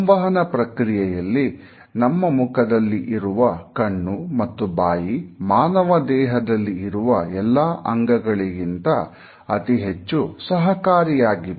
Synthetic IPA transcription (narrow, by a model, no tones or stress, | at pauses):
ʋɐɦɐnɐpɾɐkɾijɛjɐlːi | nɐmːɐmukɐd̪ɐlːiʔiɾuʋɐkɐɳːumɐt̪ːubaːjimaːnɐʋɐd̪ɛːɦɐd̪ɐlːiːɾuʋɐɛlːaːʔɐŋɡɐɡɐɭiɡint̪ɐ | ɐt̪iɦet͡ʃːusɐɦɐkaːɾijaːɡiʋ